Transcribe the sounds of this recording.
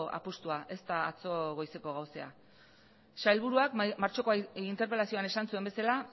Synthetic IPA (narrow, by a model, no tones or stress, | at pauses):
ʔa̰pust̪uaʔe̞st̪aːt͡so̞ɣo̞jse̞ko̞ɣ̞awsea̰ | ʃajlβuɾuakmaɾt͡ʃo̞koint̪e̞ɾpe̞lasio̞ane̞sansuembe̞sala